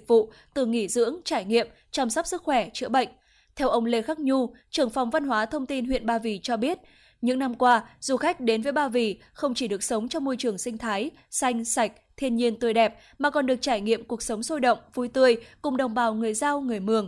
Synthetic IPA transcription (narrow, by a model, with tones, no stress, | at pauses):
k̚vṵ˧˨ | t̪ɨ˨˩ŋi˧˩zɨ̰˧˥əŋt͡ɕaː˧˩jŋḭ˧˨əm | t͡ɕɔ˧msɔ˦˥p̚sɨ˦˥k̚xwɛ˧˩t͡ɕɨ̰˧˥əɓə̰˧˨jŋ̟ | t̪ʰɛ˧wʔə˧wŋ͡mle˧xa˦˥k̚ɲu˧t͡ɕɨ˨˩əŋfa˨˩wŋ͡mva˧nɦwaː˨˦t̪ʰə˧wŋ͡mt̪i˧nwḭ˧˨ənɓaː˧vi˨˩t͡ɕɔ˧ɓi˦˥ət̚ | ɲɨ̰˧˥ŋna˧mkwaː˧z̥u˨˩xa˦˥jk̟̚ɗe˨˦nvəː˨˦jɓaː˧vi˨˩ | xə˧wŋ͡mt͡ɕi˧˩ɗɨ˨˩ək̚sə˨˦wŋ͡mt͡ɕɔ˧ŋ͡mmo˧jt͡ɕɨ˨˩əŋsï˧ŋ̟t̪ʰaː˨˦j | sa˧jŋ̟sa˨˩jk̟̚t̪ʰi˧ənɲi˧ənt̪əjɗɛ˨˩p̚ | maː˨˩kɔ˨˩nɗɨ˨˩ək̚t͡ɕaː˧˩jŋḭ˧˨əmku˨˩ək̚sə˨˦wŋ͡mso˧jɗə̰˧˨wŋ͡mvu˨˧˩jt̪ɨ˧əjkʊ˨˩ŋ͡mɗə˨˩wŋ͡mɓaː˨˩wŋɨ˨˩əjzaː˧wŋɨ˨˩əjmɨ˨˩əŋ